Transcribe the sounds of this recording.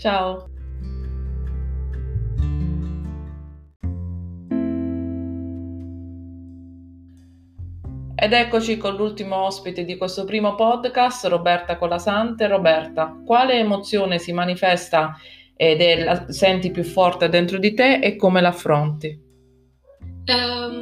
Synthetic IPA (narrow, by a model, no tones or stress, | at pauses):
t͡ʃao | ed̪ɛkːot͡ʃikolːult̪imoɔspit̪ed̪ikwest̪opɾiːmopɔd̪kast̪robɛrt̪akolasant̪erobɛrt̪akwaːleːmot̪sːjoːnesimanifɛst̪a | ed̪elasɛnt̪ipjufːɔrt̪ed̪ent̪ɾod̪it̪eʔekːomelafːɾont̪i